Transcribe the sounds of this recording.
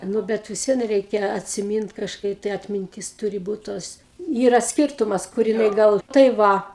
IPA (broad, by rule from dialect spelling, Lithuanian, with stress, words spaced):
ˈnʊ ˈbʲɛt ʋʲɪs ˈʋʲiɛn ˈrʲɛɪkʲɛ ɐtʲsʲɪˈmʲiːnt kɐʃˈkɐɪ tɐɪ ɐtʲmʲɪnʲˈtʲɪs ˈtuːrʲɪ ˈbuːt toːs ˈiːrɐ ˈsʲkʲɪrtʊmɐs kʊr jɪˈnɐɪ ˈɡɐlˠ tɐɪ ˈʋɐ